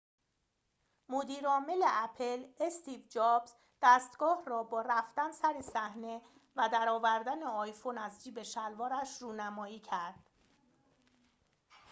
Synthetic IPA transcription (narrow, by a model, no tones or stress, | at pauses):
mod̪iːɾɒːme̞leʔæpʰelest̪ʰiːvd͡ʒɒːbz | d̪̥æst̪ɡ̥ɒːhrɒːbɒːɾæft̪ænsæɾesæhne̞ | væd̪æɾɒːvæɾd̪æneɒːjfo̞næzd͡ʒiːbe̞ʃælvɒːɾæʃruːnæmɒːjiːcʰæɾd̪̥